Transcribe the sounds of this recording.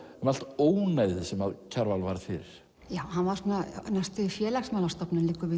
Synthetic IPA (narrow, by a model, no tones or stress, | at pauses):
ɛmal̥t̪oːwnajðɪsɛmaðcʰaɾvalvaɾθɪɾɪɾ̥ | jaːwhanvaɾ̥sunanast̪ʏfjɛːlɛxsmaːlast̪ɔpnɪnlɪːkʏvɪ